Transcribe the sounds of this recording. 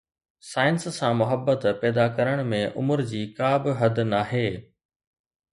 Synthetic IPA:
saːɪnsːãːmʊɦəbːət̪pɛːd̪akɐɾəɽ̃mẽʔʊməɾd͡ʑiːkaːbɪɦɐd̪naːɦeː

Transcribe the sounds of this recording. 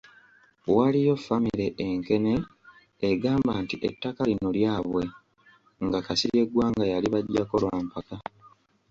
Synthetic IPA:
walijo̞fːamiɾe̞ʔeŋke̞ne̞ː | ɡaːmbaːntiʔetːakalino̞ljaːβwe̞ | ŋɡakasije̞ɡwaːŋɡajaliβaɟːako̞lwampaka

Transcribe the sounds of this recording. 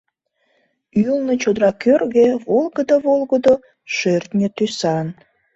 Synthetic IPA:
ylnət͡ɕod̪ɾɑkørɣeβolˠɣəd̪oβolɣəd̪o | ʃørt̪nʲət̪ysɑn

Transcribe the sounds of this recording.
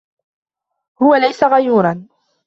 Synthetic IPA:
hʊwalajsaɣajuːɾˤɑn

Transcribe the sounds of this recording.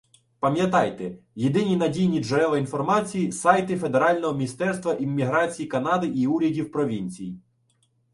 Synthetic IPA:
pɐmʲjɐt̪ɑjt̪ejed̪ɪnʲinɐdʲijnʲid͡ʒɔɾɛlˠɐinfɔrmɑt͡sʲijisɑjt̪ɪfe̞d̪eɾɑlʲnɔɦɔmʲist̪ɛrst̪ʋɐʔimːʲiɦɾɑt͡sʲijikɐnɑd̪ɪʔiuɾʲɐdʲiwpɾɔʋʲinʲt͡sʲiji

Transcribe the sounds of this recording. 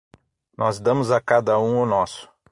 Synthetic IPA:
nɔzd̪ɐ̃mʊzakad̪ɐũʊnɔsʊ̥

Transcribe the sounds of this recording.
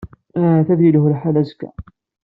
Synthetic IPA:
θæðjilʊhlħalæzkæ̰

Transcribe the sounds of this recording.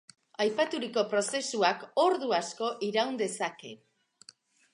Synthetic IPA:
ajpat̪uɾiko̞pɾo̞se̞suako̞ɾðuasko̞ʔiɾawnd̪e̞sake̞̰

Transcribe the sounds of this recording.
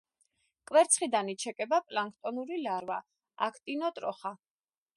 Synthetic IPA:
kʼwɛɾt̪sʰχid̪anit͡ʃʰɛkʼɛbapʼlaŋkʰt̪ʼɔnuɾilaɾva | a̰kʰt̪ʼinɔt̪ʼɾɔχa

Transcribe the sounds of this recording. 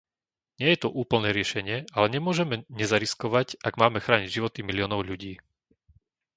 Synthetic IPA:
ɲɪɛjɛt̪uʔuːpl̩nɛːɾɪɛʃɛɲɪɛalɛɲɛmʊɔʒɛmɛɲɛzaɾiskɔʋacaɡmaːmɛxɾaːɲiɟʒiʋɔt̪imilɪjɔːnɔʊʎuɟiː

